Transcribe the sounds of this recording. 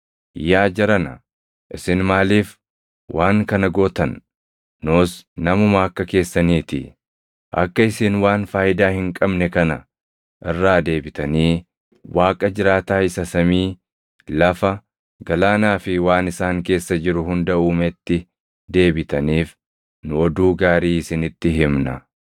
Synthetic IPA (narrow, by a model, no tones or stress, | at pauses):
jaːd͡ʒɛɾɐnɐ | ʔɪsɪnmaːliːf | wʔaːŋkɐnɐɡoːt̪ɐnː | oːsnɐmʊmɐːkːɐke̞ːsːɐniːt̪ɪ̰ | ʔɐ̰kːɐɪsɪnwaːnfaːjɪd̪aːhɪŋkʼɐbnɛkɐnɐ | ʔɪrːaːd̪e̞ːbɪt̪ɐniː | waːkʼɐd͡ʒɪɾaːt̪aːɪsɐsɐmiː | lɐfɐ | ɡɐlaːnaːfɪwaːnɪsaːŋke̞ːsːɐd͡ʒɪɾʊɦʊnd̪ɐʔuːmɛt̪ːɪ | d̪e̞ːbɪt̪ɐniːf | nʊɔd̪uːɡaːɾiːɪsɪnɪt̪ːɪɦɪmnɐ̰